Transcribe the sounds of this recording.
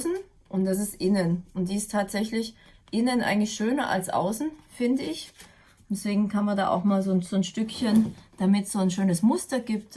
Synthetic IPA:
sn̩ | ʔʊnt̚d̥as̬ɪstʔɪnənʔʊnt̚d̥iːɪstʰaːtz̥ɛçlɪç | ʔɪnənʔa̰ɪɡŋ̩tlɪçʃøːnɐʔa̰lsʔa̰ʊsn̩fɪndəɪç | d̥ɛsv̥eːɡŋ̩kʰanmanda̰ːʔa̰ʊxmaːlzoːnz̥oːnʃtʏkçənd̥amɪtsz̥oːnʃøːnəsmʊstɐɡiːp̚t

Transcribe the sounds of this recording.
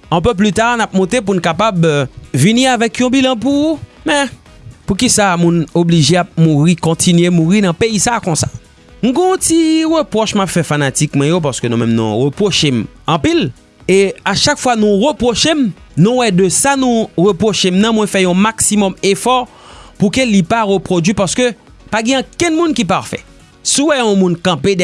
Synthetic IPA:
ɛ̃pøp̬lyt̪aʁnap̚mɔ̃t̪ep̬unkapabviniʁavɛkjɔ̃bilãp̬umɛ̃ | pukisamũnobliʒeap̚muʁikɔ̃t̪ʰinɥemuʁinɐ̃peisakɔ̃sḁ̰ | nuɡɔ̃ɔ̃t̪iʁəpʁɔʃmapfɛfanat̪ikmɛ̃jopaʁsə̥kønũmɛ̰̃mnṵ̃ʁəpʁoʃem | ɐ̃pil | eaʃakfwanũʁəpʁoʃem | nũwɛdøsanũʁəpʁoʃemnɐ̃mwɛ̃fɛjɔ̃maksimɔmefɔʁ | pukelipaʁøpʁod͡zɥipaʁskø | paɡɛ̃ãkɛ̃nmũnkipaʁfɛ̰ | suwɛɔ̃mũnkɐ̃ped

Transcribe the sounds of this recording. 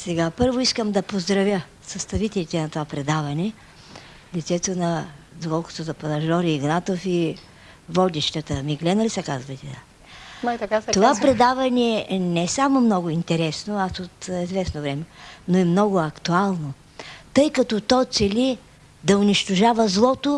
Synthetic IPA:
sɛɡapɤɾvoiskəmd̪ɐpozd̪ɾɐvʲjə | sɐst̪ɐvit̪ɛlʲit̪ɛnɐt̪ovapɾɛd̪avɐnɛ | lit̪sɛt̪onɐd̪okɔlˠkʊ̥t̪ozɐpɐnɐʒɔɾiːɡnat̪ofi | vɔd̪ʲiʃt̪ət̪əmiɡlɛnɐlisɐkazvɐjt̪ɛd̪a̰ | at̪ovappɾɛd̪avɐnɛnɛsamomnɔɡʊint̪ɛɾɛsnoasot̪izvɛsnovɾɛmɛnoɛmnɔɡʊɐkt̪ualˠno | t̪ɤjkɐt̪ɔt̪ɔt̪sɛli | d̪ɐʊniʃt̪oʒavəzlˠɔt̪o

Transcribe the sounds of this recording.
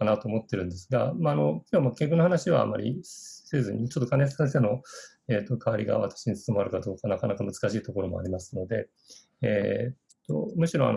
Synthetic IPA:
anat̪o̞ːmot̪ːe̞ɾɯ̟̃nd̪esɨɡamaːno̞kʲoβamakʲekɯnohanaɕiβa̰a̰mːa̰ɾʲḭse̞ːzɨɲ̟it͡ɕot̪ːo̞kʰãnessẽs̬e̞ːno̞ | eːt̪ːo̞kʰaːɾʲiɡa̰βa̰t̪ḁɕiɲit͡sɨ̥somaɾɯ̟kad̪o̞ːkanakanakamɯ̟zɨ̥kaɕiːt̪o̞ko̞ɾo̞mo̞̰a̰ɾʲimasɨ̥no̞d̪e̞̰ | ḛːt̪ːo̞̰mɯ̟ɕiɾõ̞a̰no

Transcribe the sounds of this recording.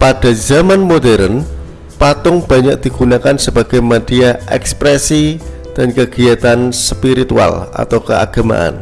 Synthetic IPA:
pad̥a̤zamanmodɛɾən | pat̪ʊŋb̥aɲak̚d̥i̤ɡ̥unakansəba̤ɡ̥amad̥iaʔɛ̰kspɾesi | d̥ankəɡ̥iat̪anspiɾit̪ua̰la̰t̪awkəa̰ɡ̥a̤ma̰ʔa̰n

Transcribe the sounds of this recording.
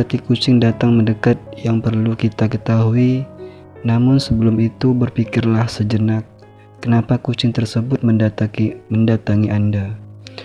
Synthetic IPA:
ərt̪ikut͡ʃɪŋdat̪aŋməndəkat̪̚jaŋpərlukit̪akət̪aɦui | namʊnsəbəlʊmit̪ubərfikɪrlahsəd͡ʒənak̚ː | ənapakut͡ʃɪŋt̪ərsəbʊt̪̚məndat̪aməndat̪aŋiʔanda

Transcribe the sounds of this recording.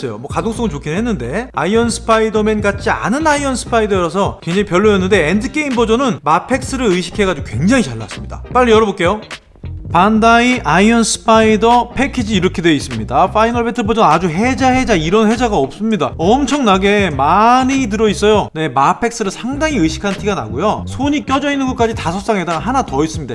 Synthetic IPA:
sʌjo̰mwʌkadoŋs͈ʌŋɯnt͡ɕokʰinɦe̞nːɯnde̞aiʌnsʰɯ̥pʰaidʌmenɡat͡ɕʰia̰nɯnaiʌnsʰɯ̥pʰaidʌɾʌsʰʌkweŋd͡ʑaŋipjʌɭːujʌnːɯnde̞endɯk͈e̞imbʌd͡ʑʌnɯnmapʰe̞k̚s͈ɯɾɯɭɯiɕ̬ʰi̥kʰe̞ɡad͡ʑiɡokwe̞ŋd͡ʑaŋit͡ɕaɭːa̰s͈ɯmɲid̥a̰p͈aʎːiʌɾʌbok͈e̞jo | pandaiʔaiʌnsʰɯ̥pʰaidʌpʰe̞kʰid͡ʑiːɾʌkʰidwe̞is͈ɯmɲidafʰainʌɭbetʰɯbʌd͡ʑʌnad͡ʑuɦe̞d͡ʑaɦe̞d͡ʑaiɾʌnhe̞d͡ʑaɡaʌp̚s͈ɯmɲidaʌmt͡ɕʰʌŋnaɡe̞manit̬ɯɾʌis͈ʌjone̞mapʰe̞k̚s͈ɯɾɯɭsʰaŋdaŋiɯɕʰi̥kʰantʰiɡana̰ɡujosʰoɲik͈jʌd͡ʑʌinɯnɡɯk͈ad͡ʑitasʰʌs͈aŋɦedaɦanatʌis͈ɯmɲida̰

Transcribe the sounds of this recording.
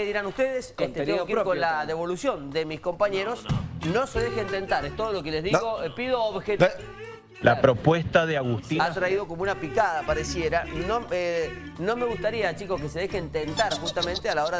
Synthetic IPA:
eðiɾanust̪eðeset̪et̪ekikolaðeβo̞lusjo̞nd̪emisko̞mpaɲeɾo̞sno̞seðexeeːnt̪e̞nt̪aɾest̪oð̞olo̞kelezðiɣopiðoːβxe | lapɾopwest̪aðeaɣust̪iat̪ɾaiðo̞komounapikaðapaɾesjeɾanoe | no̞me̞ɣust̪aɾiat͡ʃiko̞kese̞ðe̞xeːnt̪ent̪aɾxust̪amẽnt̪ealao̞ɾa

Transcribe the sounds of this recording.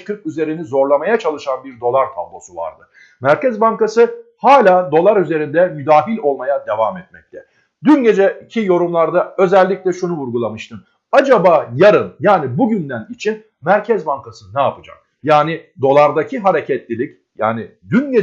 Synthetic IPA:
kʰɯɾkyze̞ɾinizo̞ɾlˠamajat͡ʃʰalˠɯʃanbiɾd̪o̞lˠaɾt̪ʰa̰blˠo̞̰suva̰ɾd̪ɯ | mæɾcɛzbaŋkasɯhaːlʲaːd̪o̞lˠaɾyze̞ɾind̪ɛmyd̪aːɦilʲo̞lˠmajad̪e̞vamɛt̪̚mɛc̚t̪ʰɛ | d̪ynɟe̞d͡ʒɛcʰijo̞ɾumlˠaɾd̪aø̞zɛlʲːicʲlʲɛʃunuvuɾɡulˠamɯʃt̪ʰɯm | ad͡ʒabaːjaɾɯnjaːnibuɟynd̪ænit͡ʃʰin | mæɾcʰɛzbaŋkʰasɯnɛapɯd͡ʒa̰k̚ | jaːnid̪o̞lˠaɾd̪acʰiɦaɾe̞cʰɛt̪lʲilʲic | ja̰ːnid̪ynɟe

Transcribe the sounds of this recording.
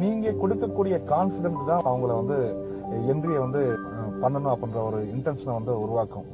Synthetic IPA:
niːŋɡɐkɔɽɯkːɐkːuːɽɪjɐkaːnsɪɽɛɳʈt̪ãːɐʋɐŋɡɐɭʋɐnd̪ɯ | ɛndrɪjeʋɐnd̪ɯ | pɐɳːɐnʊ̃ɐpːɐɽɪndɾɐɔɾɯɪɳʈɐnsnɐʋɐnd̪ɯʊɾʊʋaːkːɯ̃

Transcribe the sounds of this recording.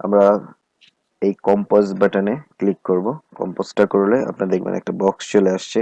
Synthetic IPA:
a̰mɾa | ejkɔmposbɛʈaneklikːoɾbokɔ̰mposʈakoɾlea̰pnaɾd̪ekʰbḛnɛ̰k̚ʈabɔkst͡ɕoleaʃt͡ɕʰi

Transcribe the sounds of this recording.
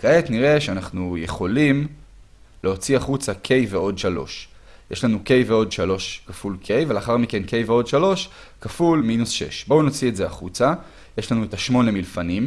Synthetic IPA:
kaetniʁe̞ʃeanaχnuje̞χo̞lim | leo̞t͡siaχut͡sakʰe̞jve̞o̞dʃalo̞̰ʃ | jeʃlanuke̞jve̞o̞dʃalo̞ʃkafulkʰe̞jveleaχaʁmike̞nke̞jveo̞dʃalo̞ʃ | kafulminusʃe̞̰ʃbo̞unot͡sietzeaχut͡sa | je̞ʃlanuetaʃmo̞nemilfanim

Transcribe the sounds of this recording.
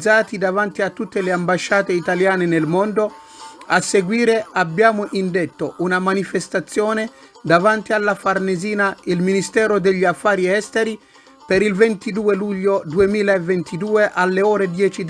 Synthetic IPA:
d̪zaːt̪id̪avant̪iat̪ːut̪ːeleambaʃːaːt̪eit̪aljaːnenelmond̪o | asːeɡwiːɾeʔabːjaːmoʔind̪et̪ːoʔunamanifest̪at̪sːjɔːne | d̪avant̪ialːafarneziːnailminist̪ɛːɾod̪eʎːiafːaːɾiɛst̪eɾi | peɾilvent̪id̪uːeluʎːod̪uemiːlaevːent̪id̪uːeʔalːeɔːɾed̪jɛːt͡ʃi

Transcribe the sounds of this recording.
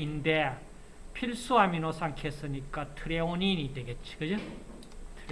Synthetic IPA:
inde | pʰiɭs͈uɦaminosʰaŋkʰesɯɲik͈atʰɯɾeoninideɡet̚t͡ɕʰi̥kɯd͡ʑɯ | tʰɯ

